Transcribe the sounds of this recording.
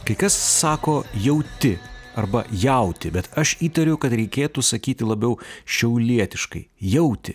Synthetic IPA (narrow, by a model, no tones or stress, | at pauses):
kɐɪkɐsːɑːkoːjɛʊt̪ʲɪɐrbɐjɛʊt̪ʲɪbʲɛt̪ɐʃiːt̪ɐɾʲʊkɐt̪ɾʲɛɪkʲeːt̪usɐkʲiːt̪ʲɪlˠɐbʲɛʊʃʲɛʊlʲiɛt̪ʲɪʃkɐ̰ɪjɛʊt̪ʲɪ